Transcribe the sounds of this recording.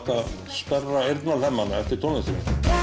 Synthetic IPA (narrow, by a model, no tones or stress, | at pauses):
t̪að | spɛrːaejɾt̪nalhɛmːanːaɛft̪ɪɾ̥t̪ʰɔnasḭ